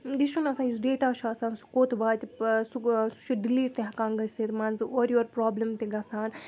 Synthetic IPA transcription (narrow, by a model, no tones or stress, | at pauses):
d̪iʃunɐsaːnjusɖeːʈaːʃʰuɐsaːnsu̥koːt̪ʰbaːt̪isusu̥t͡ʃʰuɖiliːʈt̪eɦɐkãːnɡɐset̪mɐnzɨʔoːɾjoɾpɾaːblɐmt̪eɡɐsaːn